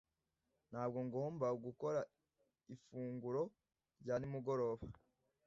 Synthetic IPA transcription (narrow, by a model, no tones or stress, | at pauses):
n̥haːb̚ɡo̞ŋɡoːmbauɡuko̞ɾa | ifuːŋɡuɾo̞ | ɾɟaːnimuɡo̞ɾo̞ːβa